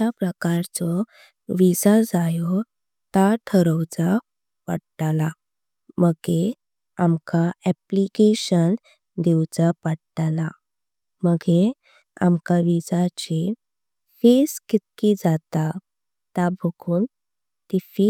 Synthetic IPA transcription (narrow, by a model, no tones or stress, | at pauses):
apɾəkaɾt͡sɔ | ʋid͡zad͡zajɔ | t̪aʈʰəɾəwt͡sa | pə̰ɽʈala | məɡe | amkaɛplikeɕən | d̪ewt͡sapəɽʈala | məɡe | a̰mkaʋid͡zat͡ɕe | feskit̪̚kid͡zat̪a | t̪abʱəɡʰuːn | t̪ifi